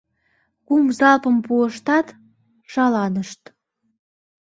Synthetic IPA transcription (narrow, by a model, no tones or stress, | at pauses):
kumzɑlpəmpuəʃt̪ɑt̪ | ʃɑlɑnəʃt̪